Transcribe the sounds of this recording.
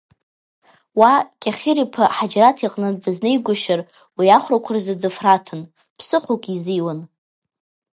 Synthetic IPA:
wakʲʼaχʲɪɾipʰaħad͡ʒɾatʰiqʼnɨdɨznejɡʷʊʃar | wiaχʷrakʷʰarzadɨfratʰɨn | pʰsɨχokʼizijwan

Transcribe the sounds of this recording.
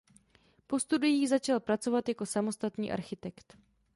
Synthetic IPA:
po̞st̪udɪjiːzat͡ʃalpɾat͡so̞vat̪jako̞samo̞st̪at̪ɲḭːʔa̰ɾxɪt̪ɛkt̪

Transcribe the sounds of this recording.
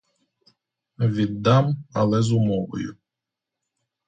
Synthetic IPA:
ʋʲid̪ːɑmɐlˠɛzʊmɔʋɔ̰jʊ̰

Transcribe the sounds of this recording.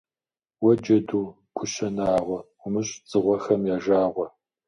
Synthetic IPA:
wɐd͡ʒɐduː | ɡ̥ʷʰʊɕɐnaːʁʷɔ | ʊmɨɕʼt͡sʼɨʁʷɔxɐmjaːʒaːʁʷɔ

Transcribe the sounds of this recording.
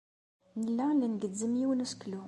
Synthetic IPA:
nəlːalənɡəd̪ːəmiwnəsklu

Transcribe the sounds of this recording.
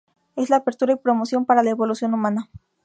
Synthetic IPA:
e̞slaːpeɾt̪uɾaipɾo̞mosjo̞mpaɾalaeβo̞lusjo̞numãna

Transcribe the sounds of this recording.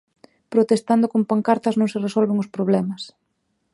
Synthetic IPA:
pɾot̪est̪and̪okompaŋkaɾt̪ɐznõŋsɪresɔlβeŋʊspɾoβlɛmɐs

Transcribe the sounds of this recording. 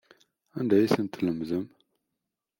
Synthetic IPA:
ənd̪æjsənt̪ʰləmzəm

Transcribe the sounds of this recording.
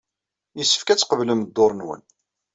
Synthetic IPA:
jəsːə̥fkæt͡sːqəvləməd̪ːoɾˤnwə̰n

